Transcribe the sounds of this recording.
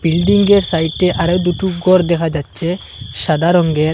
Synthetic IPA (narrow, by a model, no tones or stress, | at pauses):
bilɖiŋɡeɾsajʈːeʔaɾewd̪uʈuɡɔɾd̪ɛkʰad͡ʑatːɕʰe | ʃad̪ʱaɾɔŋɡeɾ